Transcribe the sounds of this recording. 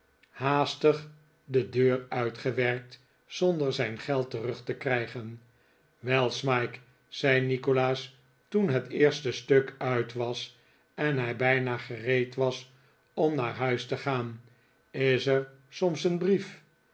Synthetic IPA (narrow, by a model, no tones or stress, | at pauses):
haːstəχ | dədøːrœɥtχəʋɛɹk̚t | sɔndəɹzɛjnχɛlˠtərɵχtəkrɛjχən | ʋɛlˠsmɑjk | sɛjnikolaːs | tunɦətɪːɹstəstøkœɥtʋɑs | ɛnɦɛjbɛjnaːχərejtʋɑs | ɔmnaːɹɦœɥstəχaːn | ɪsəɹ | sɔmsənbrif